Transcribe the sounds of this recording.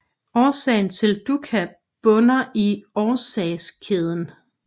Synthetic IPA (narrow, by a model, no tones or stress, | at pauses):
ɒːsɛ̰ɪn̩t͡sʰe̝ld̥ukʰæ | b̥ɔ̽nɐʔiɒːsɛːskʰeð̞ˠən